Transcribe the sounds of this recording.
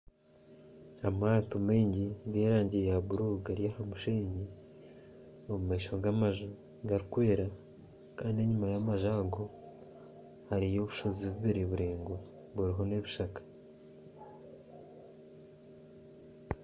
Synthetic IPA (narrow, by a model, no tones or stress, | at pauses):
amatomeːɲɟiβeɾaːɲɟijejaβuɾuɡaɾijahamuʃiːɲi | omumeʃoɡamaʒo | ɡaɾikwe̞ːɾa | kaːndieɲumajamaʒaɡo̞ | haɾijoβuʃoziβuβeːɾeβuɾeːŋɡo | βuɾiɦo̞neβuʃakḁ